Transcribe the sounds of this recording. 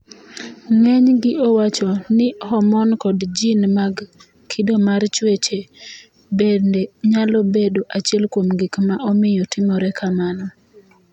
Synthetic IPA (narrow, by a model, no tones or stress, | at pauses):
ŋɛɲɡɪʔɔwat͡ʃɔnɪhɔmɔnkɔdd͡ʒinmaɡ | kʰɪdomart͡ʃwet͡ʃe | bendeɲalɔbedoʔat͡ʃiɛlkwomɡɪkmaʔɔmɪjɔtɪmɔɾɛkʰamanɔ